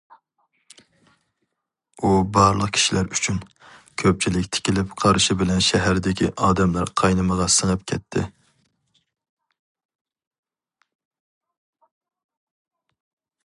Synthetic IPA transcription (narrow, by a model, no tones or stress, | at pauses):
ubɑɾlˠəqkʲʰi̥ʃilæɾyt͡ʃʰyn | kʲʰøp̚t͡ʃʰilɪkʲt̪ʰɪ̥kʲʰilɪpqʰɑɾʃibɪlɛnʃɛɦæɾd̪ɪkʲʰḭʔɑːd̪ɛmlæɾqʰɑjnɨməʁɑsɨnɨp̚kʲʰɛt̪ʰːɪ̰